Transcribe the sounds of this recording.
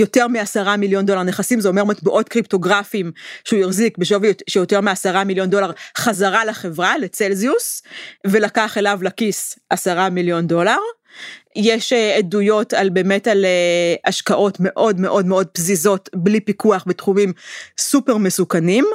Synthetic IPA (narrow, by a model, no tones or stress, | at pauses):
jo̞teʁmiasaʁamiljo̞nd̪o̞laʁne̞χasimzeo̞memat̪buʔo̞tkʁipto̞ɡʁafimʃeujiχzikbeʃovʃejo̞te̞ʁmiasaʁamiljo̞nd̪o̞laʁχazaʁalaχe̞vʁale̞t͡selziusve̞lakaχelavlakisʔasaʁamiljo̞ndo̞laʁ | jeʃeedujo̞talbe̞ːme̞taleʔaʃkaʔo̞tme̞ʔo̞dmeʔo̞dmeo̞d̚pzizo̞tblipikuaχbetχumimsupeʁmesukanim